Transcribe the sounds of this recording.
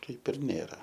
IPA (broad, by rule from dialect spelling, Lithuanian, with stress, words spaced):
ˈkɐɪp ɪr ˈnʲeːrɐ